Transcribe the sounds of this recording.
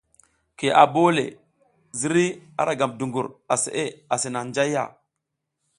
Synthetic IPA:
ke˨ʔa˨bo˦lḛ˨ | zi˦ɾi˦a̰˨ɾa˨ɡa˨mdu˨ŋɡu˨ɾa˨sḛ˨ʔe˦a˨se˨na˨nd͡ʒa˦jːa̰˦˨

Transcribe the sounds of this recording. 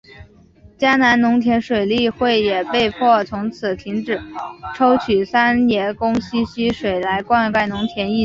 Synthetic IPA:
t͡ɕja˥na˧˥nnʊ˧˥ŋt̪ʰjɛ˧˥nʂwe˨˩ɪli˥˧xwe˥˩ɪjɛ˨˩pe˥˧ɪpʰwɔ˥˩t͡sʰʊ˧˥ŋt͡sʰɹ̩˨˩t̪ʰi˧˥ŋʈ͡ʂɻ̩˨˩˦ʈ͡ʂʰo˥ʊt͡ɕʰy˨˩sa˥njɛ˧˥kʊ˥ŋɕi˥ɕi˥ʂwe˨˩ɪla˧˥ɪkwa˥˧nka˥˩ɪnʊ˧˥ŋt̪ʰjɛ˧˥ni˥˩

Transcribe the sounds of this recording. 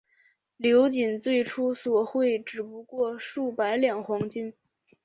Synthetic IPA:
ljo˧˥ʊt͡ɕi˨˩nt͡swe˥˩ɪʈ͡ʂʰu˥swɔ˨˩xwe˥˩ɪʈ͡ʂɻ̩˨˩pu˧˥kwɔ˥˧ʂu˥˩pa˧˥ɪljɑ˨˩ŋxwɑ˧˥ŋt͡ɕi˥n

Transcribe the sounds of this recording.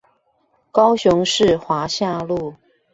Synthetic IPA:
kɑ˥ʊɕʊ˧˦ŋʂɻ̩˥˩˨xwa˧˥ɕja˥˧lu˥˩

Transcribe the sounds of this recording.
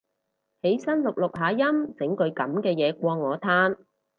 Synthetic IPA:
he˨˥jsɐ˥nlʊ˨k̚lʊ˨k̚ɦaː˨˥jɐ˥mt͡sɪ˨˥ŋkɵ˨˧ɥkɐ˨˥mkɛː˧jɛː˨˧kʷɔː˧ŋɔː˨˧t̪ʰaː˥n

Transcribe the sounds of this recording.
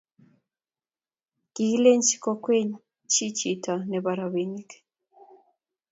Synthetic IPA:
ɡ̥i˨i˦le˦ɲt͡ʃi̥˦kɔ˦kwe˦ɲ | t͡ʃi˦t͡ʃi˨tʰa˨nɛ˨ba˨ɾa˨βe˨ni˦k

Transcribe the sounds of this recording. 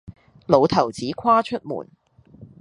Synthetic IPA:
lo˨˧wt̪ʰɐ˨˩wt͡siː˨˥kʰaː˥t͡ʃʰɵ˥t̚mṵː˨˩n

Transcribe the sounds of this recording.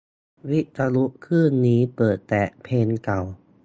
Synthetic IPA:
wi˦˥t̪a˧lu˦˥ʔkʰːɯː˥˩nːiː˦˥pɤː˨˩t̪ːɛː˨˩pʰeː˧nka˨˩w

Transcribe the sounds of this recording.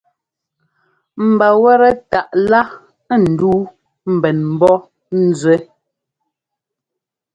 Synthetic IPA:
m̩˨ba˨wɛ˦ɾɛ˦ta˨ʔla˦ | n̩˨duː˦ | m̩˨bɛ˨nm̩˨˦bɔ˦ | n̩˦˨˦zwɛ˦

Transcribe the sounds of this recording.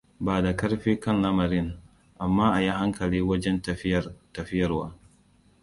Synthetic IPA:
baː˨da˨kɐ˦ɽɸiː˦kɐ˦nlɐ˦mɐ˨ɾɪ˦ŋ | ʔa˨mːaː˦ʔa˨ji˦ha˦ŋkʰɐ˨liː˦wɐ˦d͡ʒɛ˦n˨tɐ˨ɸɪ˦jɐ˨rwa̰ː˦

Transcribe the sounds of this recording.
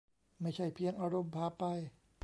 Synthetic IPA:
ma˥˩jt͡ɕʰa˥˩jpʰi˧əŋʔaː˧ɾo˧mpʰaː˧˥pa˧j

